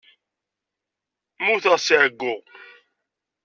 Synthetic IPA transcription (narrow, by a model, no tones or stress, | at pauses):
muθəʁsiʕəɡːʊʁ